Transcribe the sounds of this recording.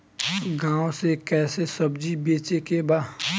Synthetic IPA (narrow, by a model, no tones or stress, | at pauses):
ɡãːõsekɛːsesəbd͡ʒibeːt͡ʃekebaː